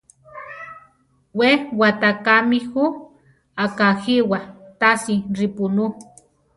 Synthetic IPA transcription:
wewat̪akamixu | akaxiwat̪asiɾipunu

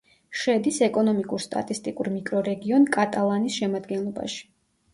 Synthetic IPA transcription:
ʃɛd̪isɛkʼɔnɔmikʼuɾst̪ʼa̰t̪ʼist̪ʼikʼuɾmikʼɾɔɾɛɡiɔnkʼat̪ʼalˠanisʃɛmad̪ɡɛnlˠɔba̰ʃi̥

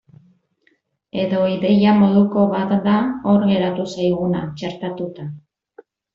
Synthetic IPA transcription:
e̞ðo̞iðe̞jamo̞ð̞uko̞βat̪d̪aoɾɣe̞ɾat̪usajɣ̞unat͡ʃeɾt̪at̪ut̪a

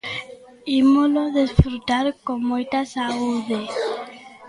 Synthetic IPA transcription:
imoloðesfɾut̪aɾkomojt̪asauðe

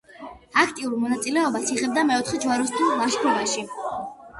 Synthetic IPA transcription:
akʰt̪ʼiuɾmɔnat̪sʼilɛɔbasiʁɛb̚d̪amɛɔt̪ʰχɛd͡ʒwaɾɔst̪ʰulˠaʃkʰɾɔbaʃi

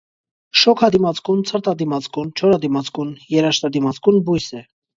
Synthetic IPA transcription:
ʃɔkʰɑd̪imɑt͡skunt͡sʰəɾt̪ɑd̪imɑt͡skunt͡ʃʰɔɾɑd̪imɑt͡skunjɛɾɑʃt̪ɑd̪imɑt͡skunbujsɛ

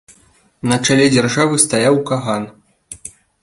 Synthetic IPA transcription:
nɐt͡ʂalʲɛd͡zʲarʐavɨst̪ajawkaɣan

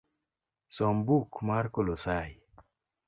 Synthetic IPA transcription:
sɔmbukmaɾkolosaj

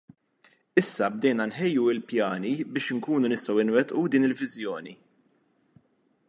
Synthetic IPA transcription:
ɪsːɐb̚d̪ɛjnɐnħɛjːuɪlpjɐːnibɪːʃɪŋkuːnunɪst̪ɐwɪnwɛt̪ʔud̪iːnɪlvɪzjɔːni

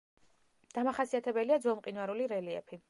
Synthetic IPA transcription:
d̪̥amaχasiat̪ʰɛbɛliad̪zɔmqʼinwaɾuliɾɛliɛ̰pʰi

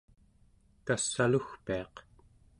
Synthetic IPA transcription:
kasːaluxpiɑq

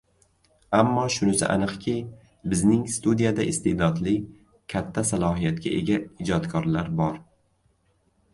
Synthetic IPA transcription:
amːɒʃʊnɪsɪ̰ʔa̰nɨqkʲʰi | bɪznɪŋst̪ud̪ijad̪aʔɪst̪ʰed̪ɒd̪lɪ | kʲʰat̪ʰːasalˠɒɦijat̪kʲa̰ʔe̞ɡʲaɪd͡ʒɒt̪kʰɒɾlaɾbɒɾ

